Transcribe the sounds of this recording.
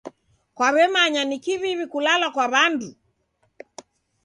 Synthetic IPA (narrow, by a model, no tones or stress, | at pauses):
kwaβɛmaɲanikiβiβikulalakwaβandu